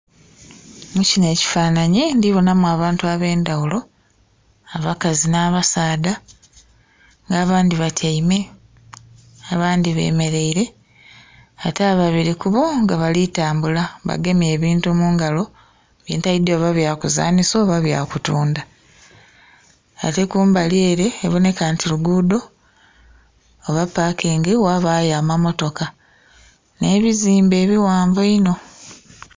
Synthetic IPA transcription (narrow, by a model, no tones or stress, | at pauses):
mucine̞ːci̥faːnaɲindiβonamuaːβaːntuaβe̞ːndawulo̞ | aβakazinaːβasaːda | ŋɡaːβaːndiβatʰajime̞ | aβaːndiβe̞̰ːme̞ɾe̞iɾe̞ | ataːβaβiɾikuβoŋɡaβalitaːmbulaβa̰ɡe̞mje̞ːβiːntumuːŋɡalo̞ | βjḭːntajideoβaβjakuza̰ːnisoːβaβja̰kutuːnda | a̰te̞kuːmbaljeːɾe̞ːβone̞kaːntiluɡuːdo̞ | βapːaːkʰeːŋɡewaβaːjaːmamo̞to̞ka | ne̞ːβiziːmbe̞ːβiwaːɱvoino̞